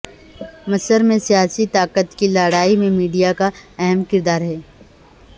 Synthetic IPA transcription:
mɐsəɾmẽsijaːsit̪aːqət̪kilaːɽaːimẽmiːɖijakaɛɦɛmkɪɾd̪aːɾɦɛː

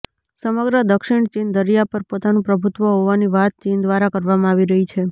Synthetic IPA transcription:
səməɡɾəd̪əkʃɪɳ̃t͡ʃind̪əɾjapəɾpot̪anũpɾəbʱut̪ʋəɦoʋaniʋat̪̚t͡ʃind̪ʋaɾakəɾʋamãaʋiɾəɦit͡ʃʰe

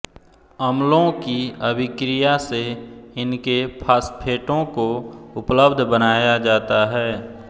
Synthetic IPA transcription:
əmlõkiəbʱɪkɾijaseɪnkepʰaːspʰeːʈõkoʊpləbd̪ʱbənaːjad͡ʒaːt̪aɦɛː

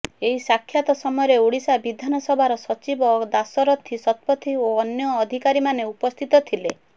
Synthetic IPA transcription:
eɦisakʰjat̪ɔsɔmɔjɔɾeuɽisabid̪ʱanɔsɔbʱaɾɔsɔt͡ʃibɔd̪asɔɾɔt̪ʰːisɔt̪̚pɔt̪ʰioːnjɔːd̪ʱikaɾimaneupɔst̪ʰit̪ɔt̪ʰile

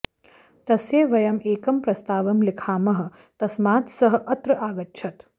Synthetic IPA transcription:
t̪ɐsjeːʋɐjɐmeːkɐmpɾɐst̪aːʋɐmlikʰaːmɐɦɐ̆ | t̪ɐsmaːt̪sɐɦɐ̆ʔɐt̪ɾɐʔaːɡɐtːʃʰɐt̪

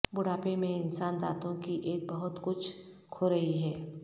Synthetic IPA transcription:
bʊɽaːpemẽɪnsaːnd̪a̰ːt̪õkiʔeːk̚bɐɦʊt̪kʊt͡ʃʰkʰoɾɐɦiɦɛː

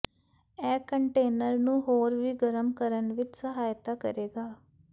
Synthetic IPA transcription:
ɛːkəɳʈeːnəɾnũːɦoːɾʋiːɡəɾəmkəɾənʋɪt͡ʃsəɦaːjt̪aːkə̰ɾeːɡaː

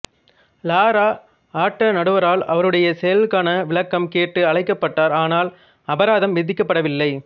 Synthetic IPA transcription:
laːɾaː | aːʈːɐnɐɽɯʋɐɾaːlɐʋɐɾɯɽɐjɐsɛjɐlkaːnɐʋɪɭɐkːɐmkeːʈːɯɐɭɐɪkːɐpːɐʈːaːɾaːnaːl | ɐbɐɾaːðɐmʋɪðɪkːɐpːɐɽɐʋɪlːɐɪ

